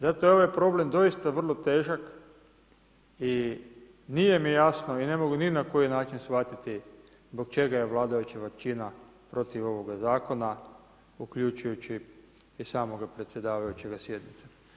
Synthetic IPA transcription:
zat̪oeʋoje̞pɾo̞ble̞md̪o̞jist̪aʋr̩lˠo̞t̪e̞ːʒak | i | nije̞mijasno̞ine̞mo̞ɡuninako̞jinaːt͡ʃinsʋat̪it̪i | zbo̞k̚t͡ʃe̞ɡaje̞ʋlˠaːd̪ajut͡ʃaʋak̚t͡ʃina | pɾo̞t̪iʋo̞ʋo̞ɡazaːko̞na | ukʎut͡ʃujut͡ɕi | isaːmo̞ɡapɾet̪sjed̪aːʋajut͡ʃe̞ɡasje̞d̪nit̪se

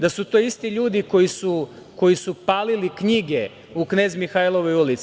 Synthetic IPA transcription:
d̪asut̪oːist̪iʎuːd̪iko̞jisu | ko̞jisupaːlilikɲiɡe | ukne̞ːzmixajlˠoʋojulit̪s

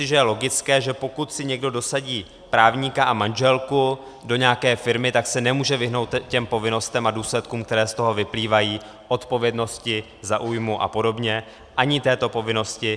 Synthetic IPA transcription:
ɪʒɛjɛlo̞ɡɪt͡skɛːʒɛpo̞kut̪sɪɲɛɡdo̞do̞saɟiː | pɾaːvɲikaʔamanʒɛlku | do̞ɲɛakɛːfɪɾmɪt̪aksɛnɛmuːʒɛvɪɦno̞wt̪cɛmpo̞vɪno̞st̪ɛmaduːslɛt̪kuːmk̚t̪ɛɾɛːst̪o̞ɦo̞vɪpliːvajiː | ʔo̞t̪po̞vjɛdno̞scɪ | zaʔuːjmuʔa̰po̞do̞bɲɛ | ʔaɲɪt̪ɛːt̪o̞po̞vɪno̞scɪ

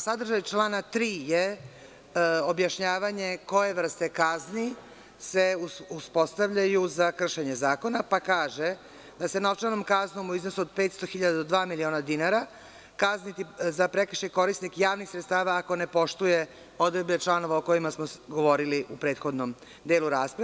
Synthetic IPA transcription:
sad̪r̩ʒajt͡ʃlaːnat̪ɾiːje | o̞bjaʃɲaːʋaɲe̞ko̞je̞ʋr̩st̪e̞kazni | se̞uuspo̞st̪aʋʎajuzakr̩ʃe̞ɲe̞zaːko̞napakaːʒe | d̪asenaot͡ʃanomkaznomuiznosuod̪̚pet̪st̪o̞xiʎad̪ad̪od̪ʋaːmilio̞ːnad̪inaɾa | kaznit̪izapɾekr̩ʃeko̞ɾisnikjaːʋnixsɾet̪st̪aːʋaːko̞ne̞po̞ʃt̪uje | od̪ɾed̪bet͡ʃlˠano̞ʋaoko̞imasmoɡo̞ʋo̞ɾiliʔupɾe̞ːt̪xo̞d̪nom | d̪eːluɾaːspɾa

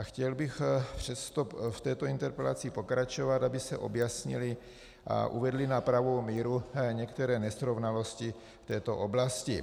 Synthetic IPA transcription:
axcɛlbɪxpr̥ɛst̪oft̪ɛːt̪o̞ɪnt̪ɛɾpɛla̰t͡sɪpo̞kɾat͡ʃo̞vat̪abɪsɛʔo̞̰bjasɲɪ̰lɪ | ʔa̰ʔṵvɛdlɪnapɾavowmiːɾuɲɛkt̪ɛɾɛːnɛsɾo̞vnalo̞scɪ | ft̪ɛːt̪o̞ʔo̞blascɪ

